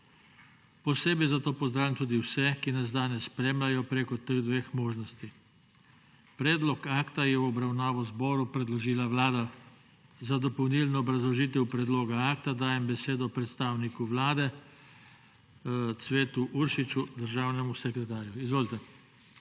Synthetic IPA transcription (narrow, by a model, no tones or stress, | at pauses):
pɔseːbɛjzat̪oːpɔzd̪ɾaːʋimt̪uːd̪iwsɛkinazd̪aːnɛsːpɾeːmlajɔpɾeːkɔt̪eɣd̪ʋexmoːʒnɔst̪i | pɾɛːd̪lɔkaːkt̪ajɛwɔbɾawnaːʋɔzbɔːɾupɾɛd̪lɔʒiːlaʋlaːd̪a | zad̪ɔpɔwnilnɔːbɾazlɔʒiːt̪ɛwpɾɛd̪loːɡaaːkt̪ad̪aːjɛmbɛseːd̪ɔpɾɛt̪st̪aːwnikuʋlaːd̪ɛ | t̪sʋeːt̪uʔuɾʃit͡ʃud̪əɾʒaːwnɛmusɛkɾɛt̪aːɾjuizʋoːlit̪ɛ